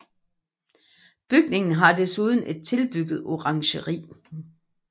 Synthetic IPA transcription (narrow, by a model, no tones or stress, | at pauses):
b̥yɡ̥ne̝ŋn̩ɦɑ̈d̥esuð̞ˠn̩e̝d̥̚t͡sʰe̝lb̥yɡ̥ð̞̩ˠo̝ʁɑ̈ŋɕəʁḭː